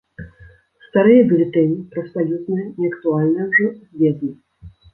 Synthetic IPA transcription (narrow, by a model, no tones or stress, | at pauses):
st̪aɾɨjɐbɨlʲit̪ɛmʲipɾɐsalʲut̪nɨjɐnʲɛɐkt̪ualʲnɐjwʐɔzʲvʲɛd̪nʲɨ